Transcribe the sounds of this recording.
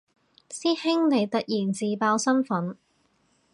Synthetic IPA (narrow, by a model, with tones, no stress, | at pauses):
siː˥hɪ˥ŋne˨˧jt̪ɐ˨t̚jiː˨˩nt͡siː˨paː˧wsɐ˥nfɐ˨˥n